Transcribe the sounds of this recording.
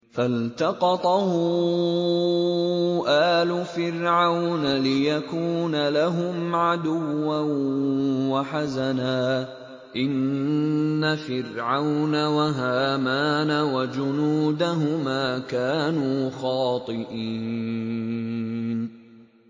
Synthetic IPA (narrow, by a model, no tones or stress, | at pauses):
falt̪ɑqɑt̪ˤɑhʊ | ʊʔaːlʊfɪɾʕawnalɪjakuːnalaɦʊmʕad̪ʊwːan | waħazanaː | ʔɪnː | afɪrʕawnawaɦaːmaːnawad͡ʒʊnuːd̪aɦʊmaːkaːnuːxɑːt̪ˤɨʔiː | n